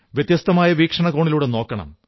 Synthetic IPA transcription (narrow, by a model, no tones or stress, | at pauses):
ʋjet̪jɐst̪ɐmaːjɐʋiːkʂɐɳɐɣoːɳiluːɽeno̞ːkːɐɳɐ̰m